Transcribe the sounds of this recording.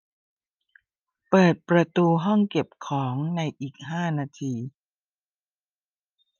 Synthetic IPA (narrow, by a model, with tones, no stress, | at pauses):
pɤː˨˩t̪̚pɾa˧t̪uː˧ɦɔ˥˩ŋke˨˩p̚kʰɔː˩˦ŋna˧jʔiː˨˩k̚ɦaː˥˩naː˧t̪ʰiː˧